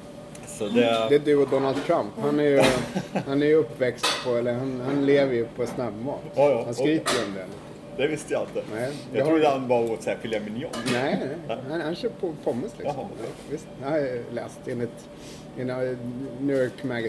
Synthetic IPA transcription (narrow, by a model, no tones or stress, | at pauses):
sɔd̪ɛd̪ɛæd̪ʉːɔd̪ɔnald̪̚t̪ʰɾamphanæɾjɵhanæɾjɵɵpːvɛkst̪pʰɔɛlːəɾhanhanleːvəɾjɵpʰɔɛnsnabmɑ̰ːt̪ːhanskɾiːpəɾjɔmd̪ɛnit̪ə | d̪ɛvɪst̪əjaalt̪ɪnɛɪjɑt̪ɑhʰuːhanbɑɾoːt̪sɛafʏljamɪnjɔɡnɛɪnæɪhanhanɕœːpʰɔpʰɔmːɪslɪ̰sɔ̰mlvɪst̪anlɛːst̪ɪnɪt̪ | ɪnanuːɔɹkmæɡ